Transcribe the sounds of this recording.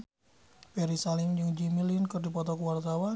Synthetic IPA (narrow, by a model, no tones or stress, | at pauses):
pɛɾisalɪmd͡ʒɨŋd͡ʒimilinkɨrdipɔt̪ɔkəwart̪awa